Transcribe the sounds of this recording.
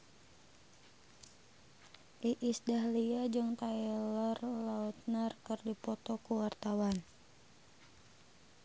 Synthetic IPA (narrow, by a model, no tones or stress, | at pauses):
ʔiʔisdaɦliad͡ʒɨŋt̪ailɔrlaut̪̚nərkɨrdipɔt̪ɔkuwart̪awan